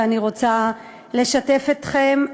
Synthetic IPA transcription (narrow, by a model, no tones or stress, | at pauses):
aniʁo̞t͡sa | le̞ʃate̞fet̪χem